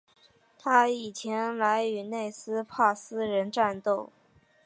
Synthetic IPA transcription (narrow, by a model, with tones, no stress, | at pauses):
t̪ʰa˥i˨˩t͡ɕʰjɛ˧˥nla˧˥ɪy˧˥ne˥˩ɪsɹ̩˥pʰa˥˩sɹ̩˥ɻə˧˥nʈ͡ʂa˥˧nt̪o˥˩ʊ